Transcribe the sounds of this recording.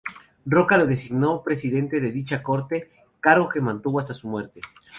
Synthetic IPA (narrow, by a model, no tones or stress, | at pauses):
ro̞kalo̞ðe̞siɣno̞pɾe̞siðe̞nt̪e̞ðe̞ðit͡ʃako̞ɾt̪e̞ | kaɾɣo̞ke̞mãnt̪uβoast̪asumwe̞ɾt̪e